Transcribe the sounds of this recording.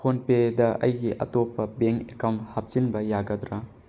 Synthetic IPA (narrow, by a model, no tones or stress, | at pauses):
onpedɐʔɐ̰jɡiʔɐ̰topːɐbeŋekawnthap̚t͡ʃinbɐjaɡɐd̪ɾɐ